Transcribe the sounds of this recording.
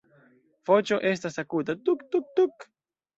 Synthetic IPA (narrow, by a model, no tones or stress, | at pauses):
fot͡ʃoʔes̬t̪asakut̪at̪ukt̪uk̚t̪uk